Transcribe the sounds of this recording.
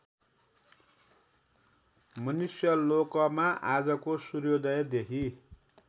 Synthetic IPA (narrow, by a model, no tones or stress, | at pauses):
mʌnusjʌlokʌmaʔad͡zʌkosurjod̪ʌjd̪ekʰi